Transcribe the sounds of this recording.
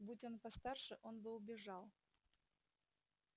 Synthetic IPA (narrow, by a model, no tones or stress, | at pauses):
butʲo̞npɐst̪arʂɨʔo̞nbɨʊbʲɪʐɑlˠ